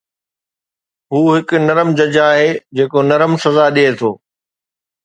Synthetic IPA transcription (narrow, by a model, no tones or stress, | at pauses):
ɦuːɦɪkʊ̆nɐɾəmd͡ʑɐd͡ʑaːɦeːd͡ʑeːkonɐɾəmsɐzaɗiet̪ʰoː